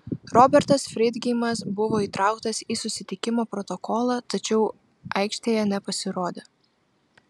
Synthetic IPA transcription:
ɾɔːbʲɛɾt̪ɐsfʲɾʲɪd̪ʲɡʲɪmɐsbʊʋoːiːt̪ɾʔɑˑʊkt̪ɐsiːsʊsʲɪt̪ʲɪkʲɪmoːpɾɔt̪ɔkɔːlˠɑːt̪ɐt͡ʃʲɛʊ | ʔɐɪkʃʲt̪ʲeːjɛnʲɛpɐsʲɪɾoːd̪ʲeː

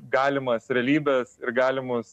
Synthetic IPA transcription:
ɡɑːlʲɪmɐsɾʲɛɐlʲiːbʲɛsɪɾɡɑːlʲɪmʊs

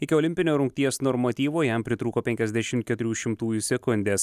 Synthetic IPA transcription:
ɪkʲɪɔːlʲɪmʲpʲɪnʲoːɾʊŋʲk̚t̪ʲiɛsnɔːɾmɐt̪ʲiːʋoːjɛmpʲɾʲɪt̪ɾuːkoːpʲɛŋʲkʲɛzʲd̪ʲæʃʲɪmt̪̚kʲɛt̪ʊɾʲuːʃʲɪmt̪uːjuːsʲɛkʊnʲd̪ʲeːs

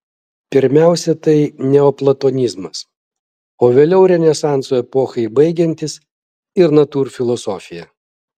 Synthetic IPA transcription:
pʲɪɾʲmʲæˑʊsʲɛt̪ɐɪnʲɛoːplˠɐt̪ɔːnʲɪzmɐs | oːʋʲeːlʲɛʊɾʲɛnʲɛsɑˑnt̪soːɛpɔːxɐɪbɐɪɡʲɛnʲt̪ʲɪs | ɪɾnɐt̪uːɾfʲɪlˠɔsɔfʲɪjɛ

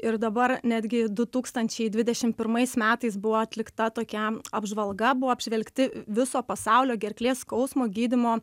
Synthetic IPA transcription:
ɪɾd̪ɐbɐrnʲæːd̪ʲɡʲɪd̪ʊt̪uːkst̪ɐnʲt͡ʃʲɛɪd̪ʲʋʲɪd̪ʲɛʃʲɪmpʲɪɾmɐɪsmʲæːt̪ɐɪsbʊʋoːɐt̪ʲlʲɪkt̪ɐt̪oːkʲɛɐbʒʋɐlˠɡɐbʊʋoːɐbʲʒʲʋʲɛlʲkt̪ʲɪʋʲɪsoːpɐsɑʊlʲoːɡʲɛɾʲklʲeːskɒʊsmoːɡʲiːd̪ʲɪmoː

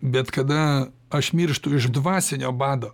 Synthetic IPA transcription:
bʲɛt̪kɐd̪ɐ | ɐʃmʲiɾʃt̪ʊɪʒd̪ʋɑːsʲɛnʲoːbɑːd̪oː

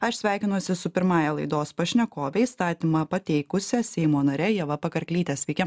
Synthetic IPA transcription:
ɐʃsʲʋʲæˑɪkʲɪnuɔsʲɪsʊpʲɪɾmɑːjɛlˠɐɪd̪oːspɐʃʲnʲɛkoːʋʲɛist̪ɑːt̪ʲiːmɑpɐt̪ʲɛɪkʊsʲɛsʲɛɪmoːnɐɾʲɛjɛʋɐpɐkɐɾʲkʲlʲiːt̪ʲɛsʲʋʲɛɪkʲɛ

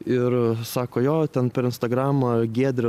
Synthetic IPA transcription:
ɪɾsɑːkoːjoːt̪ʲɛnpʲɛɾɪnst̪ɐɡɾɑːmɐɡʲeːd̪ʲɾʲɪ

